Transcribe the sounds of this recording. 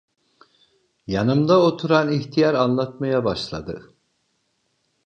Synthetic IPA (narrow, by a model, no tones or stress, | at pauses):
janɯmd̪aot̪ʰuɾaniçt̪ʰijaɾanlˠat̪majabaʃlˠa̰d̪ɯ̰